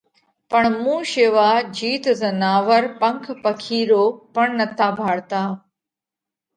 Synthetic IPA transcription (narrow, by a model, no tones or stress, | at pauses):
pəɳmũːʃeːʋaːd͡ʒiːt̪zɐnaːʋəɾpɐ̃ŋkʰpɐkʰiːɾoːpəɳnɐt̪ʰaːbʱaːɽt̪aː